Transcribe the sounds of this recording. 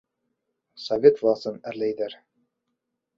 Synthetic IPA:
sɐvʲet̪vˠɑsɤnæɾlæjd̪æɾ

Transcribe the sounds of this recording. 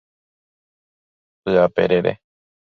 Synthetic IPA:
pɨapḛɾeɾḛ

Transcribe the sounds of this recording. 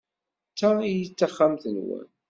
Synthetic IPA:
t͡sːaijət͡sːaχːamθənwæ̰n

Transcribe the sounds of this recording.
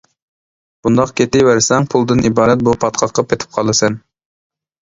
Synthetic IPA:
b̥und̪ɑqkʲʰet̪ɪjwæɾsɛŋpʰulˠd̪ɨnʔibɑːɾɛt̪̚bupʰɑt̪qʰɑqʰːɑp̚ʰet̪ʰɪ̥p̚qʰɑlˠɨsɛn

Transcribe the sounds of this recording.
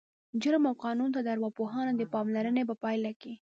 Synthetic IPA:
d͡ʒʊɾmawqɑnunt̪ad̪əaɾwɑpoɦɑnod̪əpɑmlaɾənebapɑjlaki

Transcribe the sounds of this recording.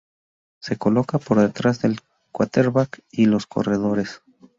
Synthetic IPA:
se̞ko̞lo̞kapo̞ɾðe̞t̪ɾazðe̞l | kwat̪eɾβakilo̞skʰo̞̰re̞ðo̞ɾe̞s

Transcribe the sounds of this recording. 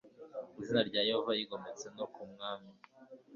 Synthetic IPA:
izinaɾɟaːjehovajiɡo̞met͡se̞nokumŋaːmi

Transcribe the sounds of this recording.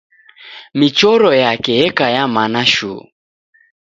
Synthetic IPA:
mit͡ʃɔɾɔjakɛɛkajamanaʃṵ

